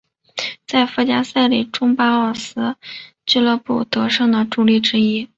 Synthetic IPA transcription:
t͡sa˥˩ɪfə˥˩t͡ɕja˥sa˥˩ɪli˨˩ʈ͡ʂʊ˥ŋpa˥ə˥˩sɹ̩˥ | t͡ɕy˥˧lɤ˥˧pu˥˩t̪ɤ˧˥ʂɤ˥˩ŋd̪ə˩ʈ͡ʂu˥˩li˥˩ʈ͡ʂɻ̩˥i˥

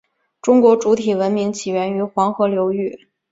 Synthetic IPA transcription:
ʈ͡ʂʊ˥ŋkwɔ˧˥ʈ͡ʂu˧˥t̪ʰi˨˩wə˧˥nmi˧˥ŋt͡ɕʰi˨˩ɥɛ˧˥ny˧˥xwɑ˧˥ŋxɤ˧˥ljo˧˥ʊy˥˩

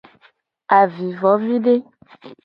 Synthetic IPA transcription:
a˨vi˨vɔ˨˦vi˦ɖe˦

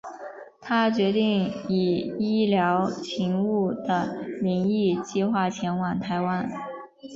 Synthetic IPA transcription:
t̪ʰa˥t͡ɕɥɛ˧˥t̪i˥˩ŋi˨˩i˥ljɑ˧˥ʊt͡ɕʰi˧˥ŋu˥˩d̪̥ə˩li˧˥ŋi˥˧t͡ɕi˥˧xwa˥˩t͡ɕʰjɛ˧˥nwa˨˩ŋt̪ʰa˧˥ɪwa˥n

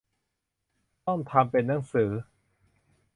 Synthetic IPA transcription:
t̪ɔ˥˩ŋt̪ʰa˧mpe˧nːa˩˦ŋsɯː˩˦

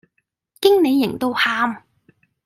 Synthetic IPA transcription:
kɪ˥ŋne˨˧jːɪ˨˩ŋt̪o˥whaː˥m

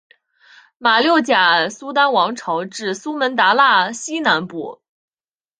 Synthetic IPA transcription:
ma˨˩ljo˥˩ʊt͡ɕja˨˩su˥t̪a˥nwɑ˧˥ŋʈ͡ʂʰɑ˧˥ʊʈ͡ʂɻ̩˥˩su˥mə˧˥nt̪a˧˥la˥˩ɕi˥na˧˥npu˥˩

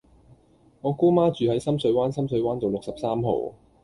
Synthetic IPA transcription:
ŋɔː˨˧kuː˥maː˥t͡ʃyː˨hɐ˨˥jsɐ˥msɵ˨˧ɥwaː˥nsɐ˥msɵ˨˧ɥwaː˥nt̪o˨wlʊ˨k̚sɐ˨p̚saː˥mɦo̰˨˧w

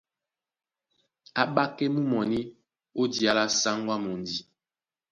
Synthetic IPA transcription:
a˨ɓa˦ke˦mu˦mɔ˨ni˦ | o˦di˨a˦la˦sa˦ŋ˦ɡwa˦mo˨ndi˨

